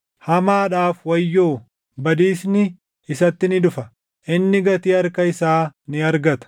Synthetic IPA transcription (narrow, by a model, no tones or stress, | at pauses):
hɐmaːᶑaːfwɐjːoː | bɐd̪iːsnɪ | ɪsɐt̪ːɪnɪᶑ̪ʊfɐ | ʔɪnːɪɡɐt̪iːɐɾkɐɪsaːnɪɐɾɡɐt̪ɐ̥